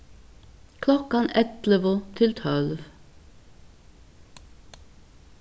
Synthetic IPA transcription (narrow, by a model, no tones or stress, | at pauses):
kʰlɔkɑnɛt̪ləʋʊt̪ʰɪlt̪ʰœlʋ